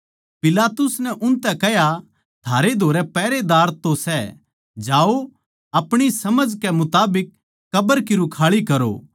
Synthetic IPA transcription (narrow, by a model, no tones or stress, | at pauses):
pɪlaːt̪ʊsnɛʔʊnt̪ɛkɛɦja | t̪ʰaːɾed̪ʱoːɾɛpɛːɾed̪aːɾt̪osɛ | d͡ʒaːo | ɐpɽ̃isɐməd͡ʒkɛmʊt̪aːbɪkː | ɐbəɾkiɾʊkʰaːɭikɐɾo̰